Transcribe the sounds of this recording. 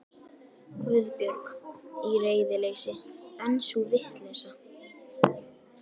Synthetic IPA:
kɾʏðpjœɾkireːjðɪleːjsɪɛnsuvɪht̪lɛsa

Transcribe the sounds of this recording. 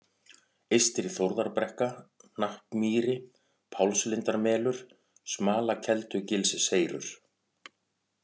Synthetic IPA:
ejst̪ɪɾiθowɾðaɾpɾɛhkanahpmiːɾɪ | pʰawlslɪnt̪aɾmɛːlʏɾ̥ | smaːlacʰɛlt̪ʏcɪlsɪseːjɾʏ̰ɾ̥

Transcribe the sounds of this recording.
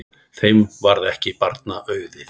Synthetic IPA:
θejmvaɾðɛhcɪpaɾt̪naʔœːɥðɪ

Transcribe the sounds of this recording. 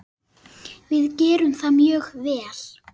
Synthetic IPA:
vɪðcɛːɾʏmθamjœːɣvɛːl̥

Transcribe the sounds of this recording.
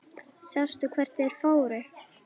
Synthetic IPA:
sjawst̪ʏkʰvɛr̥t̪ɛɛɾ̥foːwɾɪ

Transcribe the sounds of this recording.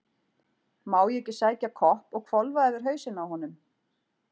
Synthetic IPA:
maːwjɛcɪsaːjcakʰɔhpɔɣkʰvɔlvaɛðʏɾ̥ɦœːɥsɪnaːwhɔnʏm

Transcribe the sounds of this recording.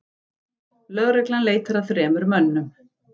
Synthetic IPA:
lœɣɾɛklanleːjt̪aɾaðθɾɛːmʏɾmœnːʏm

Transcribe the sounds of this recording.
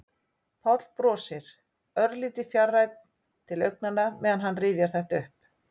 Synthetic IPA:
pʰɔt̪lpɾɔːsɪɾ̥ | œɾðliːt̪ɪfjarːajt̪̚n | t̪ʰɪlœɥk̚nanːamɛːðanɦanːriːvjaɾ̥θɛht̪aʏhp̚

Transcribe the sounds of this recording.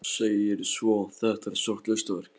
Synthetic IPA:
sejɪɾsvɔθɛht̪aɾsɔr̥t̪lœst̪vɛɾ̥k

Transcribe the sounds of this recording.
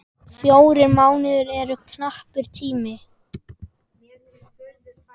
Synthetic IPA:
fjoːwɾɪɾmaːwnɪðʏɾɛɾʏkʰnahpʏɾ̥t̪ʰiːmɪ

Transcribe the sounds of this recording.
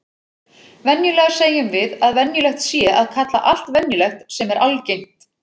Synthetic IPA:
vɛnjʏlɛːɣḁseːjʏmvɪðaðvɛnjʏlɛxt̪sjɛʔaðkʰat̪la̰ʔal̥t̪vɛnjʏlɛxt̪sɛmɛɾʔalcejm̥t̪

